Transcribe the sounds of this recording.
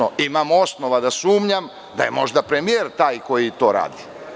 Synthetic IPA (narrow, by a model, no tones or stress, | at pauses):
oimamo̞sno̞ʋad̪asuːmɲam | d̪aje̞mo̞ʒd̪apɾe̞mieɾt̪aːjko̞jit̪o̞ːɾa̰ːd̪i